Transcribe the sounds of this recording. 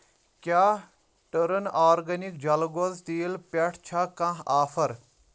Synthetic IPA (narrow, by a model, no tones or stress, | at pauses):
kʲjaː | ʈəɾənaːɾɡɐnik̚d͡ʒɐlɡozt̪iːlpɛʈʰt͡ʃʰakãɦaːfʰɐɾ